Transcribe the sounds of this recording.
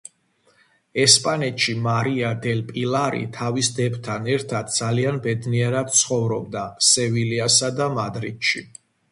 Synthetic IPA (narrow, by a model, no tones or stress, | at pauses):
ɛspʼanɛt̪ʃimaɾiad̪ɛlpʼilˠaɾḭt̪ʰavisd̪ɛbt̪ʰanɛɾt̪ʰad̪̥̚d̪z̥alianbɛd̪niɛɾad̪̥̚t̪sʰχɔvɾɔb̚d̪asɛviliasad̪amad̪ɾid̪̥ʃi